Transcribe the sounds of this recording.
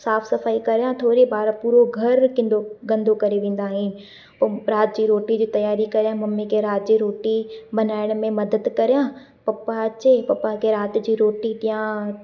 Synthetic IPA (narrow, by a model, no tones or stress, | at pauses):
saːfsɐfaːikɐɾjãt̪ʰoːɾibaːɾpuːɾoɡʱɐɾkɪ̃nd̪oɡɐ̃nd̪ʱokɐɾeʋẽːn̆d̪aːɦinɪ | pɐɾaːt̪̚d͡ʑiːɾoːʈid͡ʑiːt̪ɐjaːɾikɐɾjãmɐmːikeɾaːt̪̚d͡ʑiːɾoːʈibɐnaːɪɽ̃mẽmɐd̪əd̪kɐɾjã | pɐpːaɐt͡ɕepɐpːakeɾaːt̪d͡ʑiːɾoːʈit̪ɪ̃jã